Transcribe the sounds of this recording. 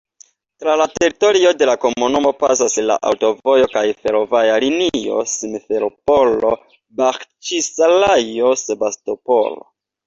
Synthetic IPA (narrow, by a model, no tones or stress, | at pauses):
tɾalate̞ɾito̞ɾio̞de̞lako̞munumo̞pas̬asla̰ʔa̰wto̞vo̞jo̞kajfe̞ɾo̞vajalinio̞̰simfeɾopolo̞ | baxt͡ʃisalajo̞sebasto̞po̰lo̰